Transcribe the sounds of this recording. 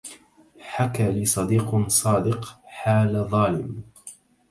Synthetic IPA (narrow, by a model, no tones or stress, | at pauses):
ħakaːlisˤɑd̪iːqsˤɑːd̪ɪqħaːlðˤɑːlɪm